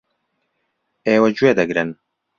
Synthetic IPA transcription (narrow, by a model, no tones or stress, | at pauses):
eːwɐd͡ʒueːd̪ɐɡɾɨn